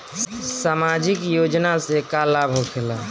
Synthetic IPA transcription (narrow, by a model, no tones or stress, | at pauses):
samad͡ʒikjod͡ʒnasekalabʱokʰela